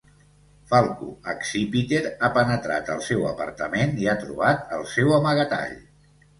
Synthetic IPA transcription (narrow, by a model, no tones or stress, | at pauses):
falˠkṵəksipit̪eɾapənət̪ɾa̰t̪əlˠsɛwə̰pə̰ɾt̪əmeniat̪ɾṵβat̪əlˠsɛwəməɣət̪a̰ʎ